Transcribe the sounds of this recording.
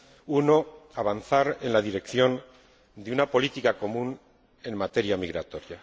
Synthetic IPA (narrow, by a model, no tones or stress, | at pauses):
uno̞aβanθaɾenlaðiɾe̞kθio̞n | d̪iunapo̞lit̪ikako̞mun | e̞mmat̪e̞ɾiamiɣɾat̪o̞ɾia